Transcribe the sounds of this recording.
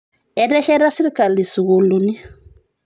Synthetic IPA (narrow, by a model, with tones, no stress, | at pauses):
ɛ˦ɾɛ˦ʃɛ˦ɾa˦si˦ɾka˨li˨su˨ɣu˨lu˨ni˦